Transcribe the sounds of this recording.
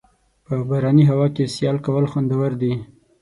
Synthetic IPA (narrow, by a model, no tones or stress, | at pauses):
pəbaɾɑniɦawɑkesjɑlkawəlxwand̪awəɾd̪i